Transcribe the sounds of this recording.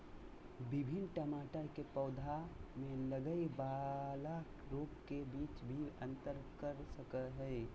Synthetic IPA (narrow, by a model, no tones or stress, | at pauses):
bɪbʱɪnʈəmaːʈəkepəːd̪ʱamẽləɡəibala | ɾoːkkebiːt͡ʃbʱiə̃nt̪əɾkəɾsəkəɦɛː